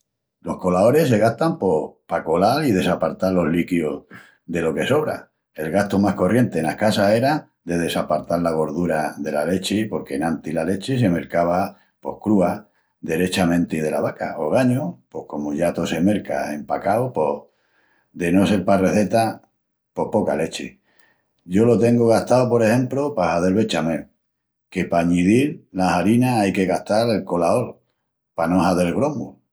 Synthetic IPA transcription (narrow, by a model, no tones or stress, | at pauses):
lo̞hko̞lao̞ɾe̞se̞ɣaht̪ampo̞pako̞laɾið̞e̞sapaɾt̪aɾlo̞ɦlikjo | ðe̞lo̞ke̞so̞βɾa̰ | e̞lɣaht̪omahko̞rje̞nt̪enahkasase̞ɾa | d̪e̞ð̞e̞sapaɾt̪aɾlaɣ̞o̞ɾðuɾaðe̞lale̞t͡ʃepo̞ɾke̞nant̪ilale̞t͡ʃese̞me̞ɾkaβ̞a | po̞̰hkɾua | ðe̞ɾe̞t͡ʃamẽnt̪iið̞e̞la̰βaka̰ʔoɣ̞aɲopo̞hko̞moʝat̪o̞se̞me̞ɾka̰e̞mpakawpo̞ | d̪e̞no̞se̞ɾpare̞θe̞t̪a | po̞hpo̞ka̰le̞t͡ʃḭ | ɟ͡ʝo̞lo̞t̪e̞ŋɡoɣ̞aht̪aopo̞ɾehẽ̞mplopahaðe̞lβe̞t͡ʃame | ke̞paɲiðiɾlasaɾinaajke̞ɣaht̪aɾe̞lko̞lao̞l | pano̞saðe̞lɣɾo̞mul